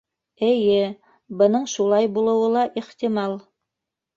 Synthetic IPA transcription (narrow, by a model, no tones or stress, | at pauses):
ɘ̆jɘ | bɤ̆nɤɴʃulˠɑjbulˠɤ̆wɤlˠɑʔiχt̪imɑlˠ